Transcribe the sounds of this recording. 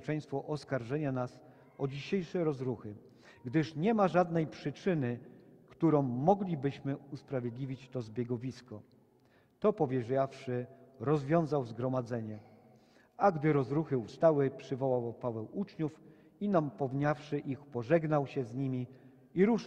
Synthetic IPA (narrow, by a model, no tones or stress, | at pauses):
t͡ʂɛ̃j̃st̪fɔʔɔskaɾʐɛɲanas | ɔd͡ʑiɕejʂɛɾɔzɾuxɘ | ɡd̪ɘʂɲɛmaʐad̪nɛjpʂɘt͡ʂɘnɘkt̪uɾɔ̃w̃ːɔɡlʲibɘɕmɘuspɾavʲjed̪lʲivʲit͡ɕt̪ɔzbʲjɛɡɔvʲiskɔ | t̪ɔpɔvʲjɛʐjafʂɘɾɔzvʲjɔ̃w̃zawzɡɾɔmad̪zɛɲɛ | aɡd̪ɘɾɔzɾuxɘust̪awɘpʂɘvɔwawpavɛwut͡ʂɲuf | inampɔvɲafʂɘʔixpɔʐɛɡnawɕɛzɲimʲi | iɾuʂ